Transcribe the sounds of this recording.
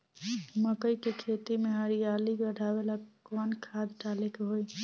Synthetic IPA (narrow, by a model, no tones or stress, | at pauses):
məkəjkekʰet̪imeɦəɾijalikəɽʱabelakɔnkʰad̪ʈalekeɦoj